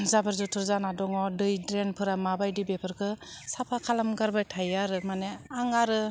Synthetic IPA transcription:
zabaɾzutʰɯɾzanadɔŋɔdɯjdɾenpʰɯɾamabajdibepʰɯɾkʰɯsapʰakʰalamɡaɾbajtʰajaɾɯmaneaŋaɾɯ

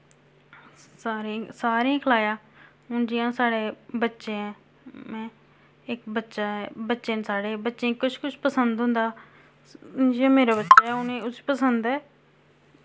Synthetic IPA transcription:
saːɾesaːɾeãːkʰəlaːjãː | ʊnd͡ʒɪjãːsaːɽeːbətːʃẽːɛ̃ː | mɛ̃ː | ɪkbətːʃaːɛbətːʃeːnsaːɽeːbətːʃẽːkʊt͡ʃʰkʊt͡ʃʰpəsənd̪ɦʊ̃nd̪aː | d͡ʒijãːmeːɾaːbətːʃaːɛːʊnẽːʊsi̥ːpəsənd̪ɛː

